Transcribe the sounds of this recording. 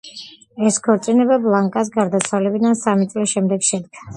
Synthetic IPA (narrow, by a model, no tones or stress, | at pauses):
ɛskʰɔɾt̪sʼinɛbablˠaŋkʼas̬ɡaɾd̪at̪sʰwalɛbid̪ansamit̪sʼlisʃɛmd̪ɛɡʃɛd̪ɡa